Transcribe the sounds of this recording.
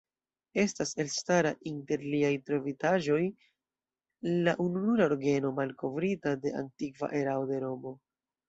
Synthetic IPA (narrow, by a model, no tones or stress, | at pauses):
e̞stase̞lstaɾaʔinte̞ɾliajtɾo̞vitaʒo̞j | laʔununuɾaoɾɡe̞no̞malko̞vɾitade̞ʔa̰ntikva̰ʔe̞ɾaode̞ɾo̞mo̞